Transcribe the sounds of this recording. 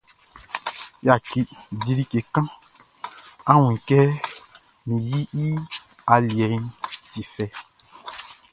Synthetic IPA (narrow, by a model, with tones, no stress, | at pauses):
ja˨ki˨di˨ɾi˦ke˨kã˦ | a˦wũ˨ŋ˨kɛ˦ | mĩ˨ji˦i˦ | a˨ljɛ˨˦nti˨fɛ˦